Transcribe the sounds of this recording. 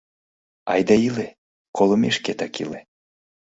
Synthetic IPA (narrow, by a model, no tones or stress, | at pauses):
ɑ̰jd̪ɑile | kʰolˠəmeʃket̪ɑkḭle